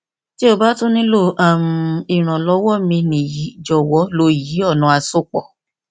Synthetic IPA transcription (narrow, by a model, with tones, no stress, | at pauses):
ti˦o˧ba˦to˦nĩ˦lo˦˨a˦˨m̩˧i˨ɾ̃ã˨lɔ˧˦wɔ˦˨mĩ˧nĩ˨ji˨˦d͡ʒɔ˨wɔ˨˦lo˧˦˨ji˨˦ɔ˦˨nũ˧˦a˧so˦˨k͡pɔ̰˨